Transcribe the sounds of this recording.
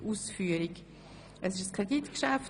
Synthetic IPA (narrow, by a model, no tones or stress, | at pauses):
ʔuːsfyːəɾik | ʔəsɪʃskʰʁɛditkʃaf